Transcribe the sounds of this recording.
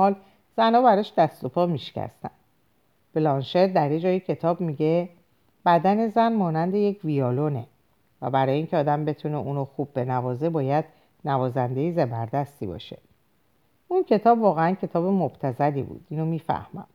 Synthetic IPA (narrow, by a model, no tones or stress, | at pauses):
ɒːl | z̥ænɒːbæɾɒːʃd̪æst̪o̞pʰɒːmiʃcʰæ̰st̪æ̰n | b̥lɒnʃet̪̚d̪æɾid͡ʒɒːjicʰe̞t̪ʰɒːbmiɟe | b̥æd̪æne̞zænmɒːnænd̪e̞je̞cʰvijɒːlone | væ̰bæɾɒːjeincʰeɒːd̪æmbe̞t̪ʰuneʔuːnoxub̚ːe̞nævɒːze̞bɒːjæd̪̥ | nævɒːzænd̪e̞jizebæɾd̪æst̪ḭbɒ̰ːʃe̞̰ | ʔuncʰe̞t̪ʰɒːbvɒːɣeæncʰe̞t̪ʰɒːbemob̥t̪ʰæzælḭbṵːd̪̥iːnomiːfæ̰hmæ̰m